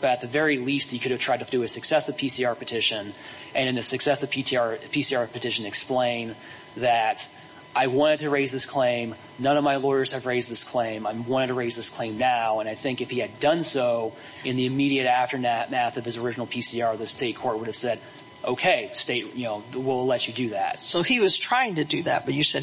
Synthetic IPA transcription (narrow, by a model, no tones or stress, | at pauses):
b̥ʌɾɨt̪̚ðɨvɛɹilisthikʰʊɾɨv̥tʰɹ̥aɪtʰɨvdɨɨsɨksɛsʌv̥pʰisiɑɹpɨtʰɪʃɨ̃n | ʔɨ̃ñɨ̃nðɨsɨksɛsʌv̥pʰitiɑɹpʰisiɑɹpɨtʰɪʃɨ̃nɨksplẽɪ̃n | ðɨɾ | ʔaɪwɑ̃ɾ̃ɨd̚tʰɨɹeɪzðɪskʰl̥ẽɪ̃m | nʌ̃nʌvmaɪlɔɪə˞z̥ɨvɹeɪzðɪskʰl̥ẽɪ̃maɪwɑ̃ɾ̃ɨd̚tʰəɹeɪzðɪskʰl̥ẽɪ̃mnaʊə̃naɪθɪ̃ŋkɨfhiɨdʌ̃nsoʊ | ɨ̃nðiɨmiɾiɨɾæftə˞nɨt̚mæθʌvɨzə˞ɪd͡ʒɨnl̩ˠpʰisiɑɹðɨsteɪt̚kʰɔɹt̚wʊɾɨv̥sɛɾ | ʔoʊkʰeɪsteɪt̚jɨnoʊwɪlˠlɛt͡ʃɨdɨðæ̰t̚soʊiwʌz̥tʰɹ̥aɪɪ̃ŋtɨdɨðæ̰t̚b̥ʌt͡ʃɨsɛ